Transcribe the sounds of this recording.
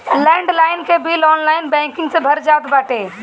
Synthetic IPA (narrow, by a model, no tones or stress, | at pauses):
lɛ̃ːɳɖlaːɪnkʰebilɔːnlaːɪnbɛ̃ːŋkɪ̃ŋɡsẽbʱɐɾd͡ʒaːt̪baːʈeː